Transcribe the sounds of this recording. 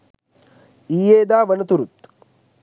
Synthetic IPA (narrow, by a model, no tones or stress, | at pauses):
iːjeːd̪aːʋɐnɐt̪uɾut̪